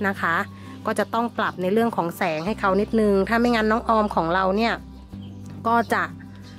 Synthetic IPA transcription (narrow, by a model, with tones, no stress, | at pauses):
na˦˥kʰa˦˥ | kɔː˥˩t͡ɕa˨˩t̪ɔ˥˩ŋpla˨˩p̚na˧jɾɯ˥˩əŋkʰɔː˩˦ŋsɛː˩˦ŋɦa˥˩jkʰa˦˥wni˦˥t̪̚nɯ˧ŋt̪ʰaː˥˩ma˥˩jŋaː˧nːɔː˦˥ŋʔɔː˧mkʰɔː˩˦ŋɾa˧wni˥˩ɐ | kɔː˥˩t͡ɕa˨˩ʔ